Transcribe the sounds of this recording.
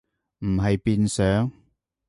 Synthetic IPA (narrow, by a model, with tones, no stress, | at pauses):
m̩˨˩ɦɐ˨jpiː˧nsœː˨˥ŋ